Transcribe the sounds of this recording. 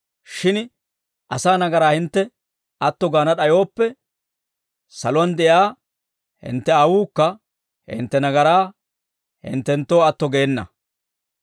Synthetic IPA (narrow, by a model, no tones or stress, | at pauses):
ʃɪn | ʔɐsaːnɐɡɐɾaːhɪnt̪ːɛ | ɐt̪ːɔɡaːnɐɗɐjo̞ːpːɛ | sɐlʊwɐnd̪ɛjaː | hɪ̰nt̪ːɛɐwuːkːɐ | hɪ̰nt̪ːɛnɐɡɐɾaː | hɪ̰nt̪ːɛnt̪ːo̞ːɐt̪ːɔɡeːnːɐ̰